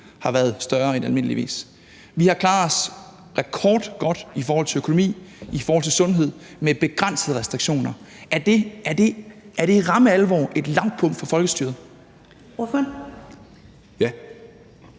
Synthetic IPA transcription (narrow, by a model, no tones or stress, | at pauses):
hɑ̈ʋæːɐðˠsd̥ɶɐenælme̝n̰əlḭʋḭːs | ʋihɑ̈kʰlɑ̈ːɒs | ʁɛkʰɒːd̥ɡ̥ɒ̽d̥ifɒːhɒl̰t͡sʰe̝økʰo̝nomḭːifɒɔːhɒ̽l̰t͡sʰe̝sɔ̽nɦe̝ð̞̰ˠ | meb̥e̝ɡ̥ʁan̰səð̩ˠəʁɛsd̥ʁiɡ̥ɕo̝̰ːnɐ | æɐd̥ed̥eæɐɾ̥e̝ʁɑ̈məælʋɒ̰ːʔe̝d̥lɑ̈ŋ̰d̥̚pʰɔ̽ŋ̰d̥fɒ̽fɒ̽lɡ̥əsd̥yɐð̩ˠ | j